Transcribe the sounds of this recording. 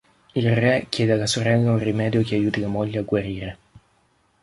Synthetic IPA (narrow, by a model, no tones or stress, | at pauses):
ilrɛkjɛːd̪ealːasoɾɛlːaunrimɛːd̪jok̟eajuːt̪ilamoʎːeaɡwaɾiːɾe